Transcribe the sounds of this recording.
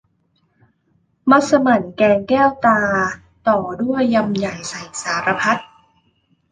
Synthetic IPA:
ma˦˥t̪̚sa˧ma˨˩nkɛː˧ŋkɛː˥˩wt̪aː˧ | t̪ɔː˨˩du˥˩əjːa˧mja˨˩jsa˨˩jsaː˩˦ɾa˧pʰa˦˥t̪̚

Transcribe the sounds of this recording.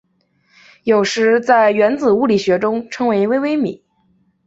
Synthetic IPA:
jo˨˩ʊʂɻ̩˧˥t͡sa˥˩ɪɥɛ˧˥nt͡sɹ̩˨˩u˥˩li˨˩ɕɥɛ˧˥ʈ͡ʂʊ˥ŋʈ͡ʂʰɤ˧˥ŋwe˧˥ɪi˧we˥ɪwe˥ɪmi˨˩˦

